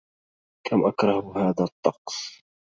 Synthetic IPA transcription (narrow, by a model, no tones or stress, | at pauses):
kʰamʔakɾˤɑhhaːðat̪ˤːɑqsˤ